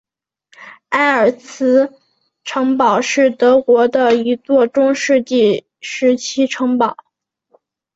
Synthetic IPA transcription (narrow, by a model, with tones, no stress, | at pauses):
a˥˩ɪə˞˨˩t͡sʰɹ̩˧˥ | ʈ͡ʂʰɤ˧˥ŋpɑ˨˩ʊʂɻ̩˥˩t̪ɤ˧˥kwɔ˧˥d̪ə˧i˧˥t͡swɔ˥˩ʈ͡ʂʊ˥ŋʂɻ̩˥˧t͡ɕi˥˩ | ʂɻ̩˧˥t͡ɕʰi˥ʈ͡ʂʰɤ˧˥ŋpɑ˨˩˦ʊ